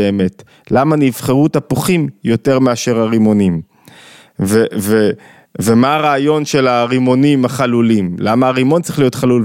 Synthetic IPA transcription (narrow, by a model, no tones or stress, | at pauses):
eːme̞t | lamanivχeʁutapoχimjo̞te̞ʁmeaʃe̞ʁaʁimo̞nim | veve | vemaaʁaːjo̞nʃe̞laʁimo̞nimaχalulimlamaaʁimo̞ntt͡sʁiχlijo̞tχalul